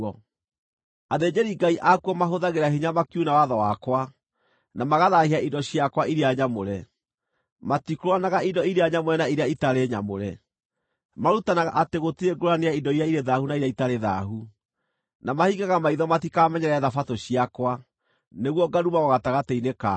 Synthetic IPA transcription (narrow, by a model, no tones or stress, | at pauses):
ɔ | aðed͡ʑeɾiɡaiʔakuɔmaɦoðaɣeɾahiɲamakjunawaðɔwakwa | namaɣaðahiaʔidɔɕiakwaiɾeaɲamoɾɛ | matikɾowanaɣaindɔiɾeaɲamoɾɛnaiɾeaitaɾeɲamoɾɛ | maɾutanaɣa̰ʔateɣotieɡoɾaneaidɔiɾaiɾeðahunaiɾeaitaɾeðaɦu | namahiɣaɣamaiðɔmatikamɛɲɛɾɛðafatoɕiakwa | neɣwɔɡaɾumaɣɔɣataɣateineka